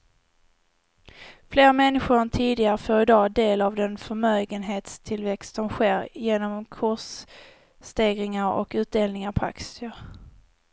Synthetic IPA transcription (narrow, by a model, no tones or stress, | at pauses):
fleːɾamɛnːɪɧʊɾnt̪ʰiːd̪ɪɡaɾəfoːɾɪd̪ɑːd̪eːlavd̪ɛnfœɾmøːɡənɦeːt̪st̪ʰɪlvɛkst̪sɔmɧeːɾjeːnɔmkʰʊʂ | t̪eːɡɾɪŋaɾɔ̰kʉ̟ːt̪̚d̪eːlnɪŋaɾpʰɔa̰ksəɾ